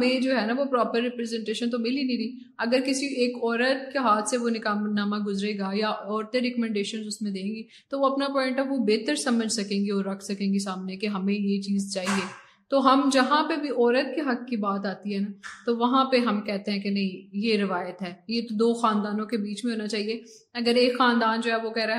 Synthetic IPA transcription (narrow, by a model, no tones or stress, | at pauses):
mẽd͡ʒoːɦɛnaʋopɾɔːpəɾːɪpɾɛzɛ̃ɳʈeːʃə̃nt̪̬omɪlinĩɾiː | ɐɡəɾkɪsieːkɔːɾət̪̚keɦaːt̪ʰseʋonɪkaːnaːmaɡʊzɾeːɡajaɔːɾt̪eɾɛkəmɛ̃ɳɖeːʃənzʊsmẽd̪ẽːŋɡi | t̪oʋoɐpnapɔːɪ̃ɳʈɐʋobeːt̪əɾsɐməd͡ʒʱsɐkẽːŋɡiɔːɾːɐkʰsɐkẽːŋɡis̬aːmnekeɦɐmẽjet͡ʃiːzt͡ʃaːɦieː | t̪oːɦɐmd͡ʒɐɦãpebʱiʔɔːɾət̪̚keɦɐkkibaːt̪aːt̪iɦɛːnat̪oʋɐɦãpeɦɐmkɛɦt̪eɦɛ̃kenɐɦĩjeɾɪʋaːjət̪ɦɛːjet̪od̪oːxaːnd̪aːnõkebiːt͡ʃmẽɦoːnat͡ʃaːɦie | ɐɡəɾeːkxaːnd̪aːnd͡ʒoːɦɛːʋokɛɦɾaɦ